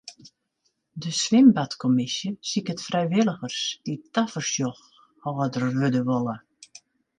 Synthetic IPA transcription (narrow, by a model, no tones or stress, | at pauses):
dəsʋɪmbatkʰɔmɪsjəsikətfrɛjʋɪlˠəɣərsitafərsjɔx | hɔːədərʋødəʋɔlˠə